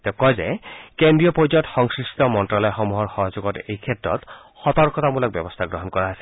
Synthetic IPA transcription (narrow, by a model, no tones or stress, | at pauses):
t̪ɛkɔjzɛ̰kendɹijɔpɔɔtxɔŋskɹistɔmɔntɹalɔjxɔmuɦɔɹxɔɦɔzoɡɔtejkʰɛtɹɔ̰t | xɔt̪ɔɹkɔtamulɔk̚bjɔbɔst̪ʰaɡɹɔɦɔnkɔɹaɦasi̥